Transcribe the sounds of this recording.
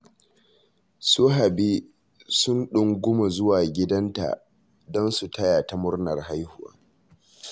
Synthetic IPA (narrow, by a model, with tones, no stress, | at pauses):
su˦ɦa˨bi˦ | sʊ˦nɗʊ˨ŋɡʷʊ˦ma˨zʊ˦waː˨ɡʲɪ˦dɐ˦nta̰˨ | dɔ˦nsu˨tɐ˦ja˨ta˨mʊ˦rnɐ˨rha˦jhʊ˦wa̰ː˦